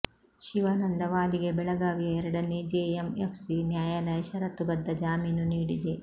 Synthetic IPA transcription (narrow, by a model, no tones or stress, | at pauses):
ʃiʋɐnɐnd̪ɐʋaːliɡe̞bɛɭɐɡaːʋijɐɛɾɐɽɐneːd͡ʒeemepʰsinjaːjaːlɐjɐʃɐɾɐt̪ːubɐd̪ːɐd͡ʒaːmiːnuniːɽid̪e̞